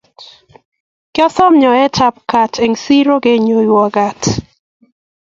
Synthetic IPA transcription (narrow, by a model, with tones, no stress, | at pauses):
kɪ˦ɔ˦sɔ˦mɲɔ˨ɛ˦t͡ʃa˦pka˨tʰe˨ŋsi˦ɾo˦ɡe˦ɲo˨jwɔ˨ɡa˨t